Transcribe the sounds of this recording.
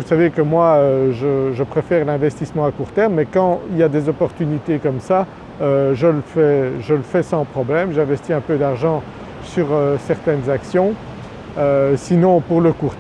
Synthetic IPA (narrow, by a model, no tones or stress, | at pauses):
usavekəmwaøʒəʒəpχefɛʁlɛ̃vɛst̪ismɑ̃akuʁt̪ɛʁmːɛkɑ̃iljad̪ezɔpɔʁt̪ynit̪ekɔmsa | øʒələfɛʒələfɛsɑ̃pχɔblɛmʒɛ̃vɛst̪iɛ̃pød̪aʁʒɑ̃ | syʁøsɛʁt̪ɛnzaksjɔ̃ | øsinɔ̃puʁləkuʁ